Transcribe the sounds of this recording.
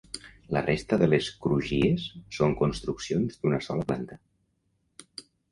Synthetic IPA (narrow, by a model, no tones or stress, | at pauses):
lərʔest̪əðəleskɾuʒiesːoŋkunst̪ɾuksionzd̪unəsɔləplant̪ə